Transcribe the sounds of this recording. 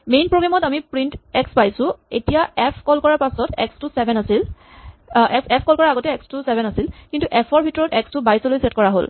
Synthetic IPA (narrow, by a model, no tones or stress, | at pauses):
mejnpɹoɡɹamɔtamipɹintɛkspajsʊ̃etijaʔɛpʰkɔlkɔɹaɹpasɔtɛ̰kstusɛbʱɛnasil | ɛɛpʰkɔlkɔɹaaɡɔtɛɛkstusɛbʱɛnasilkintuʔɛpʰɔɹbʱitɔɹɔtɛkstʊbajsolojsɛtkɔɹaɦo̰l